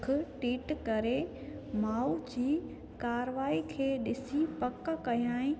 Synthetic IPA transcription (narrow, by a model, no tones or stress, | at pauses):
kʰʊʈiːʈkɐɾemaːud͡ʑiː | kaːɾʋaːikʰeːɗɪsipɐkkɐɦjaːɪ̃